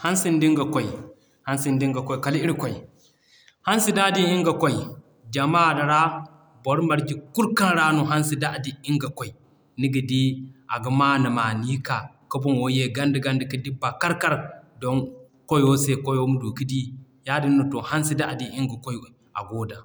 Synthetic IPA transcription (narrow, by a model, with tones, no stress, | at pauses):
ha˦nsi˦ndi˦ŋɡa˨kɔ˦i˨ | ha˦nsi˨ndi˦ŋɡa˨kɔ˦jka˨li˦ɾi˦kɔ˨j | ha˦nsi˦da˦˨di˦i˦ŋɡa˨kɔ˦i˨ | d͡ʒa˨ma˦˨dɐ˨ɾa˦ | bɔ˨˦ɾma˨ɾki˨ku˦lka˦nɾa˦no˨ɦa˦nsi˨da˦˨di˨i˦ŋɡa˨kɔ˨i˨ | ni˦ɡi˨di˦ʔa˨ɡɐ˨ma˦nɐ˨ma˨ni˦ka˨ | kɐ˦bɔ˦nwo˦je˦˨ɡa˦ndi˨ɡa˦ndi˨kɐ˦di˦bːa˨ka˦ɾka˦ɾdɔ˦n | ko˦jo˦se˦ko˦jwo˦mu˦du˨ki˦di˦ | ja˦di˦nː˦o˨to˨ha˦nsi˦da˦˨di˨i˦ŋɡa˨ko˦ji˦ | a̰˨ɡoː˦da˨